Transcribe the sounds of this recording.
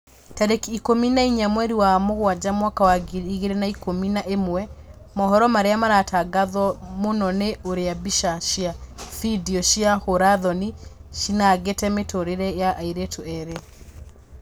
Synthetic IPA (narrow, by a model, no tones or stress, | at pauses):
taɾekiːkominaiɲamwɛɾiwamoɣwad͡ʑamwakawaɡiiɣeɾenaikominaʔemwɛ | mɔɦɔɾɔmaɾeamaɾatʰaɡaðwɔmonɔneʔoɾeabiʃaʃiafidiɔʃiahoɾaðɔniʃinaɣetɛmetoɾeɾɛjaʔaiɾetʰoɛɾe